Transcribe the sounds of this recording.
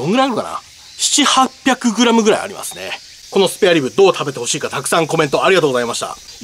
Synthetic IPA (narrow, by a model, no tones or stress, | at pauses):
õŋɡɯɾaɾɯ̟ka̰na̰ | ɕi̥t͡ɕihapʲːjakɯ̟ɡɯ̟ɾamɯ̟ɡɯ̟ɾa̰ḭa̰ɾḭma̰sɨne̞̰ | ko̞no̞sɨ̥peaɾʲibɯ̟d̪o̞ːt̪ʰabe̞t̪e̞ho̞ɕiːkat̪akɯ̟̥sãŋko̞mẽ̞nt̪o̞aɾʲiɡat̪oːɡo̞zaimaɕi̥t̪a̰